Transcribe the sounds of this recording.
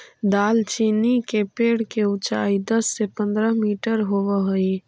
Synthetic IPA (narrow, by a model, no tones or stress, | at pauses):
d̪aːlt͡ʃinikepeɽ̤keut͡ʃa̰ːid̪əsːepə̃nd̪ɾəɦmiʈəɾɦoʋəɦoi